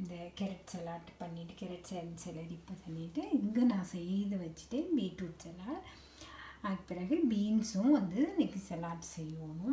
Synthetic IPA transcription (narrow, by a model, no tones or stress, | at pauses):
ɪnd̪ɐkɛɾɛʈsɛlaːɾʈpɐɳːiʈːɯkɛɾɛʈsɛnsɛlɐɾɪpːɐt̪ɐɳːiʈːɯɪŋɡɐːnãːsɛjːðɯʋɐt͡ʃːɪ̥ʈːẽːbiːʈuːʈsɛlaːɾ | aːkɯpːɪɾaːɣɐbiːnsʊ̃ʋɐnd̪ɯɛnɛkːɯsɛlaːʈsɛjːɐʋoːnʊ̃